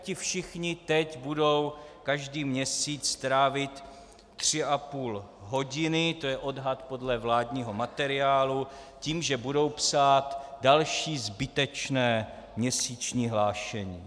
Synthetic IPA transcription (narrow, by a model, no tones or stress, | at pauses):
cɪfʃɪxɲɪt̪ɛcbudo̞wkaʒdiːmɲɛsiːt͡st̪ɾaːvɪt̪ː | r̝̥ɪʔapuːlɦo̞ɟɪnɪt̪o̞jɛʔo̞dɦat̪po̞dlɛvlaːdɲiːɦo̞mat̪ɛɾɪaːlu | ciːmʒɛbudo̞wpsaːt̪dalʃiːzbɪt̪ɛt͡ʃnɛː | mɲɛsiːt͡ʃɲiːɦlaːʃɛɲiː